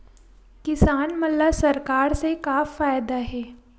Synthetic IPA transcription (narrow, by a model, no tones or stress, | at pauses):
kɪsaːnmɐt̪ləbsɐɾkaːɾsekaːffaːjd̪aɦɛː